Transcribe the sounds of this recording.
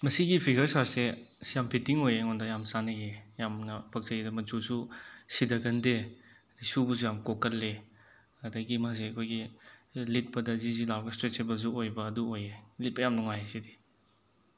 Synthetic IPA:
mɐsiɡipʰiɡɐɾsaɾsesijampʰitiŋojeŋɔndɐjamsanɐɡejamnɐpʰɐk̚zɐjidɐmɐt͡ʃususidɐɡɐnde | disubɐs̬ujamkokːɐlːe | ɐdɐɡimas̬eɐkʰojɡilit̚pɐdɐzizilaɾɡɐstɾet͡ʃebɐs̬uojbɐːduojelit̚pɐjamnɐŋwajasidi

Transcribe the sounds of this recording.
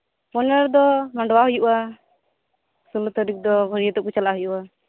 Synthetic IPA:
pɔnɛɾd̪ɔmaɳɖɔwaɦujuʔa | sulut̪ɔɾik̚d̪ɔbʱɔɾijət̪ɔʔkut͡ʃalaɦujuʔa

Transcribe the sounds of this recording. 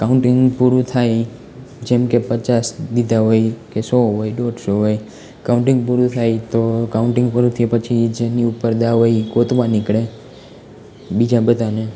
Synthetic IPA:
kauɳʈɪ̃ŋɡpuɾũt̪ʰaj | d͡ʒɛmkepət͡ʃasd̪id̪aɦojkesoɦojɖoɖsoɦoj | kaũɳʈɪ̃ŋɡpuɾũt̪ʰajt̪okauɳʈɪ̃ŋɡpuɾũt̪ʰipət͡ʃʰid͡ʒeniupəɾd̪aʋoikot̪ʋãnɪkɽe | bid͡ʒãbəd̪ʱane

